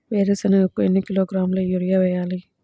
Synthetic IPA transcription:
ʋeːɾesɐnɐɡɐkːuɛnːɯkɪloːɡɾaːmlɐjuɾɪjaːʋɛjaːli

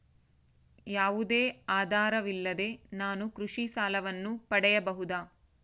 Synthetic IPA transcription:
jaːʋud̪e̞ːaːd̪ʱaːɾɐʋilːɐd̪e̞naːnukɾuʂiʃaːlɐʋɐnːupɐɽɛjɐbɐɦud̪aː

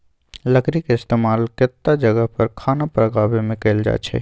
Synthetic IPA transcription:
lɐkɾɪkɪst̪eːmaːlkɪt̪ːad͡ʒəɡəɦpɐɾkʰaːnapɾəɡaːbemẽkeːld͡ʒa̰ːt͡ʃʰɛ̰ː

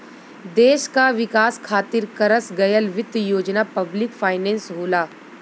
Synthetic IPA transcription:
d̪eːʃkaʋɪkaːskʰaːt̪ɪɾkɐɾəsɡɐjəlʋɪt̪joːd͡ʒnapɐblɪkfʰaːɪnẽːnsɦoːlaː

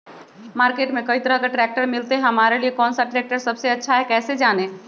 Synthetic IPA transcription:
maːɾkeːʈmẽkɐit̪ɾãɡəɾʈɾɛːk̚ʈəɾmɪlt̪eɦɐmaːɾeliekɔːnsaʈɾɛːk̚ʈəɾsɐbseɐtːʃʰaɦɛkɛːsed͡ʒaːneː

